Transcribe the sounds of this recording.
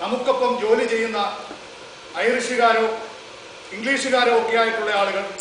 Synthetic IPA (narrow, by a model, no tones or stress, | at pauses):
nɐmukːo̞pːɐmd͡ʑo̞ːlit͡ɕe̞jːunːɐ | ɐjɐɾiʂuɣaːɾoː | iŋɡɭiːʂuɣaːɾoːoːkːejaːjiʈːuɭːɐaːɭuɣɐɭ